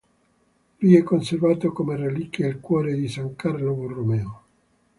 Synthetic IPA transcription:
lujɛkːonservaːt̪okomerelikjeːlkwɔːɾed̪isaŋkarloburːomeːo

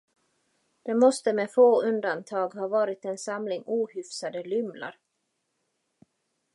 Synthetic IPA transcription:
d̪̥ɛmɔst̪əmɛfoːɵnd̪ant̪ʰɑːɡhɑːvɑːɾɪt̪ɛnsamlɪŋuːhʏfsad̪əlʏmla̰ɾ

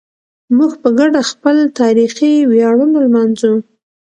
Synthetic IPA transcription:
muɡpəɡaɖaxpəlt̪ɑɾixiwjɑɽunalmɑnzu

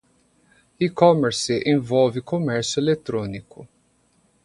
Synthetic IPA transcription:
ikɔmeɾsɪʔẽvɔwvɪkomɛɾsʊelet̪ɾõnikʊ

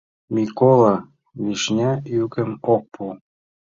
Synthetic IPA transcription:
mʲikolˠɑ | βiʃnʲæjykɘ̆mok̚pʰu

